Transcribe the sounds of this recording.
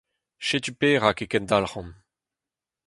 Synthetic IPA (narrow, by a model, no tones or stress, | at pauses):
ʃet̪ypeːʁakekɛndalʁɑ̃n